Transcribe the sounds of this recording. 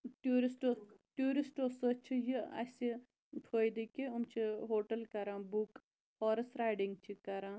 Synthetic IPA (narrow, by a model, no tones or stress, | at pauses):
ʈjuːɾisʈoːʈjuːɾisʈoːsət͡ʃʰijiɐ̰si | ʈ̪ʰoːjd̪ikiumt͡ʃʰiɦoːʈɐlkɐɾãːbuk | hɔːɾɐsɾaːjɖiŋɡ̚t͡ʃʰikɐɾãː